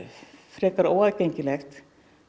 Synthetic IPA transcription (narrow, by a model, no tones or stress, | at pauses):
fɾɛːkaɾoːwaðceɲcɪlɛxt̪